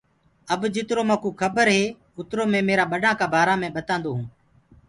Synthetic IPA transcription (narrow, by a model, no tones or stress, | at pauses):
əbd͡ʒɪt̪ɾoːmãːkuːkʰəbəɾɦeː | ʊt̪ɾoːmẽːmeːɾaːɓəɖaːkaːbʱaːɾãːmẽːɓət̪ãːnd̪oːɦũː